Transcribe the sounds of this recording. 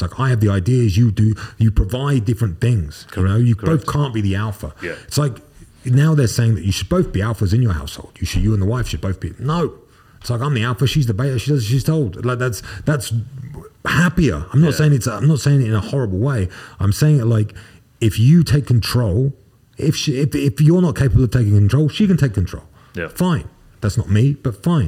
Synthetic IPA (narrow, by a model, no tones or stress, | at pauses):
laɪka̰ɪɨvðiaɪdiɨzjɨdɨjɨpʰɹ̥əvaɪdɪfɹɨ̃nθɪ̃ŋz̥jɨnoʊjɨboʊθkʰɑ̃ˑnb̥iðiælˠfə̰˞ɪtslaɪk | naʊðə˞seɪɪ̃ŋðɨt͡ʃɨʃɨd̚boʊθb̥iælˠfəzɨ̃njə˞ha̰ʊsho̰ʊlˠd̥jɨʃɨdjɨə̃nðəwaɪfʃɨd̚boʊθb̥inoʊ | ɪtslaɪkãɪ̃mðiælˠfəʃizðəbeɪəʃidʌzʃiz̥tʰoʊlˠd̥laɪk̚ðætsðæts | hæpiə̰˞ãɪ̃mnətsseɪɪ̃ŋɨtsãɪ̃mnətseɪɪ̃ŋɪɾɨ̃nəhɔɹəbl̩ˠweɪãɪ̃mseɪɪ̃ŋɪtˡlaɪk | ɪfjɨtʰeɪkʰn̩tʰɹ̥oʊlˠ | ɪfʃɪfɪfjə˞nət̚kʰeɪpəbl̩ˠʌv̥tʰeɪkɪ̃ŋkntʰɹ̥oʊlˠʃikɨ̃n̩tʰeɪkʰːntʰɹ̥oʊlˠ | fãɪ̃n | ðætsnət̚mib̥ʌtfãɪ̃n